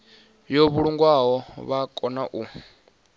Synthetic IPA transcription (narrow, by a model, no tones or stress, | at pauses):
joβuɺuŋɡwaɦɔβakʼɔnaʔu